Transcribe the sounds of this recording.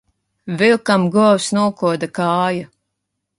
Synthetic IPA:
vilˠkamɡuwsnuɔkuɔd̪akaːja

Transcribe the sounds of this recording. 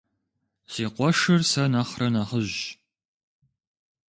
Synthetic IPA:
siːqʷɔʂɐrsɐnɐχrɐnaχəʑ

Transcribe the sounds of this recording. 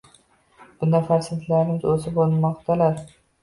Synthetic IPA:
b̥ʊnafaɾsɪnt̪ʰlaɾɪmɪzɵzɪbolˠmɒqt̪ʰalaɾ

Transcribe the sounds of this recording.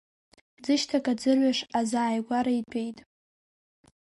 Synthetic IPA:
d͡zɨʃtʰakʼad͡zɨrʕɥaʂazaːjɡʷaɾaitʷʰʼejtʼ

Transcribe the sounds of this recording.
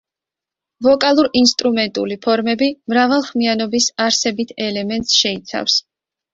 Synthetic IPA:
vɔkʼalˠuɾinst̪ʼɾumɛnt̪ʼṵlipʰɔɾmɛbimɾavalˠχmianɔbisaɾsɛbit̪ʰɛlɛmɛnt̪ʼsʃɛit̪sʰa̰fs

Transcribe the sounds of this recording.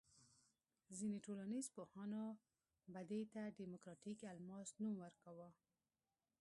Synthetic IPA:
zineʈolanizpohɑno | bad̪et̪aɖimʊkɾɑʈikalmɑsnumwəɾkawə

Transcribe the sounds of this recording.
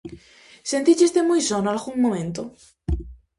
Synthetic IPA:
sent̪it͡ʃest̪emujsonoalɣuŋmomẽnt̪o

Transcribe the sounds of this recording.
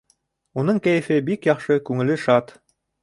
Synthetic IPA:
unɤɴkæjɘ̆fɘbikjɑχʃɤkʉŋɘ̆lɘʃɑt̪

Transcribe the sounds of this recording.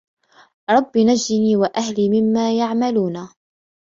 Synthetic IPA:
ɾˤɑbːinad͡ʒdɪniːwaʔahliːmɪmːaːjaʕmaluːna

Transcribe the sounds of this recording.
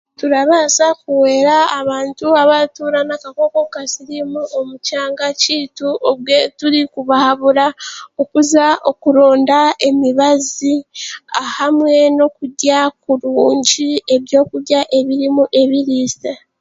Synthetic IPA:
tuɾaβasakuwe̞ːɾaːβaːntuaβatuɾanakako̞ko̞kasiɾimuʔo̞mucaːŋɡaciːtuoβwetuɾikuβahaβuɾaokuzaʔo̞kuɾo̞ːndae̞miβaziahamwe̞no̞kuɟakuɾuːɲɟie̞βjo̞ːkuɟaʔe̞βiɾimuʔe̞βiɾiːsta

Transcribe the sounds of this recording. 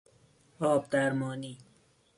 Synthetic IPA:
ɔːbd̪aɾmɔːniː

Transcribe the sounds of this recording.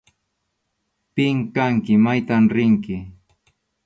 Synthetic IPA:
pɪŋkaŋkɪmajt̪amɾɪŋkɪ

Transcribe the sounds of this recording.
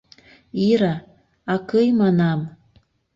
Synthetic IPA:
iɾɑ | ɑkɤjmɑnɑm

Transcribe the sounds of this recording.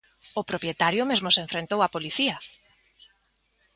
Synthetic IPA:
ʊpɾopjet̪aɾjʊmezmʊseɱfɾent̪owapoliθia

